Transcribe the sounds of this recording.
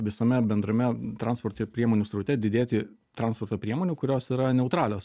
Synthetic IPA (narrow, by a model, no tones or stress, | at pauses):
ʋʲɪsomʲɛbʲɛnd̪ɾɐmʲɛt̪ɾɑˑnspoɾt̪ʲepʲɾʲiɛmoːnʲuːsɾɐʊt̪ʲɛd̪ʲɪd̪ʲeːt̪ʲɪ | t̪ɾɐnspoːɾt̪oːpʲɾʲiɛmoːnʲuːkʊɾʲoːsiːɾɐnʲɛʊt̪ɾɑːlʲoːs